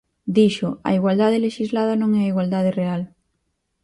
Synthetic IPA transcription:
d̪iʃʊɐ̰iɣwald̪aðeleʃizlaðɐnõŋɛaiɣwald̪að̞ereal

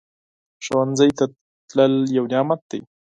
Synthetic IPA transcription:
ʃawanzəjt̪a | t̪ləljawnjɑmat̪̚d̪aj

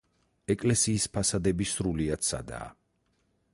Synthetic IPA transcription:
ɛkʼlɛsiːspʰasad̪ɛbisɾuliat̪sa̰d̪a̰ː

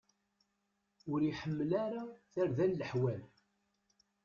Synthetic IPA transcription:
ʊɾiħəmːlaɾaθaɾðænːəħwæl

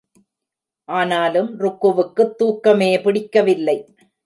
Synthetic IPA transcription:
ʔaːnaːlɯmɾʊkːɯʋɯkːɯt̪ːuːkːɐmeːpɪɽɪkːɐʋɪlːɐɪ

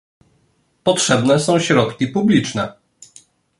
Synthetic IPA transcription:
pɔtʂɛbnɛsɔ̃w̃ɕɾɔt̪kʲipublʲit͡ʂnɛ

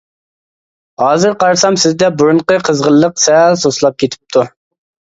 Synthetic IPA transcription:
hɑːzɨɾqʰɑɾsɑmsɪzd̪ɛbuɾuɴqəqʰəzʁəlˠːəqsɛlsoslˠɑp̚kʲʰet̪ʰɪ̥p̚t̪ʰu

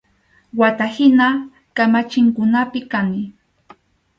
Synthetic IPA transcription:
wat̪ahɪna | kamat͡ʃɪŋkʊnapɪkanɪ

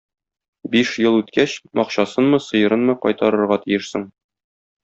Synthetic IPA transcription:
biʃjɤlˠʉt̪kæɕmʔɒqɕɑsɤnmɤsɤ̆jɤ̆ɾɤnmɤqɒ̰jt̪ɑɾɤ̆ɾʁɑt̪ijɘʃsɤɴ

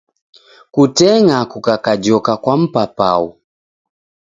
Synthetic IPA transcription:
kutɛŋakukakad͡ʒɔkakwam̩papa̰ṵ

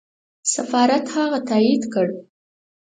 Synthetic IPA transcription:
safɑɾat̪hɑɣat̪aid̪kəɽ

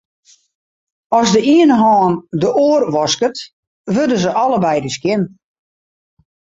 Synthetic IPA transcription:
ɔzdəiənɦɔːndəʔoːərʋɔskət | ʋødəzəʔɔləbɛjdəskjɪn

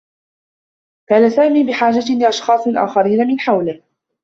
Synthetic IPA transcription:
kaːnasaːmiːbɪħaːd͡ʒalɪʔɑʃxɑːsˤlʔa̰ːxɑɾiːnamɪnħawlɪh

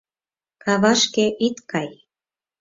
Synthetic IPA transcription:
kɑβɑʃkeʔit̪kɑj

